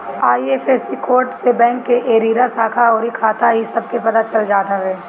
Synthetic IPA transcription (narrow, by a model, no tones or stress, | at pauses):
aːiefeːsikoːɾʈsebɛ̃ːŋkːeʔeːɾiːɾasaːkʰaɔːɾikʰaːt̪aɦisɐb̚kepɐt̪at͡ʃɐld͡ʒaːd̪aɦɛː